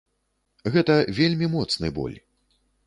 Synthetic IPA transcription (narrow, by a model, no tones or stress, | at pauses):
ɣɛt̪ɐvʲelʲmʲimɔt̪snɨ̰jbɔ̰lʲ